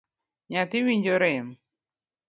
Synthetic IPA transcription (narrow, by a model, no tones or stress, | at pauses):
ɲat̪ɪwiɲd͡ʒoɾɪm